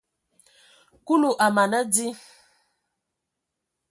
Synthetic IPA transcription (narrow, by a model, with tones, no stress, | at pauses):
ku˦lu˨ʔa˨ma˨na˦d͡zi˦